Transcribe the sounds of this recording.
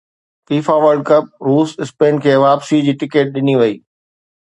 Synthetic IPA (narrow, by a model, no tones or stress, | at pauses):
fiːfaːʋəɾɖ̚kɐp̚ɾuːsɪspeːnkʰeːʋaːpsid͡ʑiːʈɪkeːʈ̚ɗɪniʋɐiː